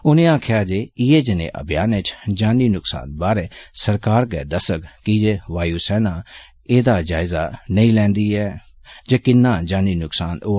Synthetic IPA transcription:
ʊnẽːãːkʰɪjaːd͡ʒeːieːd͡ʒɪnḛ̃ːʔə̰bʱɪjaːnet͡ʃd͡ʒaːniːnʊksa̰ːnbaːɾeːsəɾkaːɾɡɛːd̪əsəkkid͡ʒeːʋaːjuːsɛːnãː | eːd̪aːd͡ʒaːɪzaːnəĩːlɛ̃ːnd̪iːɛː | d͡ʒeːkɪnːãːd͡ʒãːniːnʊksaːnoː

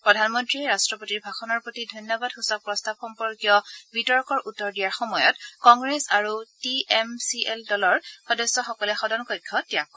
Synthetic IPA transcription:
pɹɔdʱanmɔntɹiɛɹastɹɔpotiɹbʱaxɔnɔɹpotidʱɔjnjɔbadxusɔk̚pɹɔstab̚xɔmpɔɹkjɔbitɔɹkɔɹʔutːɔɹdijaɹxɔmɔjɔ̰tkɔŋɡɹesaɹutiɛmsiʔeldɔlɔɹxɔdɔsːɔxɔkɔlɛxɔdʱɔnkɔjkʰːɔtijak̚kɔ

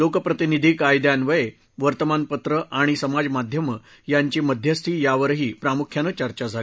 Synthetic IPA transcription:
lokəpɾət̪inid̪ʱiːkajd̪janʋəje | ʋəɾt̪əmanpət̪ɾəʔaɽ̃isəmad͡zmad̪ʱjəmə | jaɲt͡ɕiːməd̪ʱjəst̪ʰiːjaʋəɾɦiːpɾamukʰjanət͡ɕəɾt͡ɕad͡zʱa

